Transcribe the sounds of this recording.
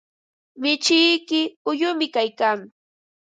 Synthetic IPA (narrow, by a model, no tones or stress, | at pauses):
mɪt͡ʃɪjkɪʊjʊmɪkajkaŋ